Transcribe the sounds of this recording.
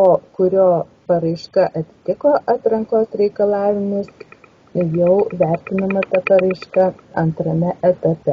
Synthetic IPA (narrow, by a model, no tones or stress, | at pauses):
oːkʊɾʲoː | pɐɾɐɪʃkɐʔɐt̪ʲɪt̪ʲɪkoːʔɑːt̪ɾɐŋkoːsɾʲɛɪkɐlˠɑːʋʲɪmʊs | jɛʊʋʲæˑɾʲt̪ʲɪnɐmɐt̪ɐpɐɾɐɪʃkɐɐnt̪ɾɐmʲɛʔɛt̪ɐpʲɛ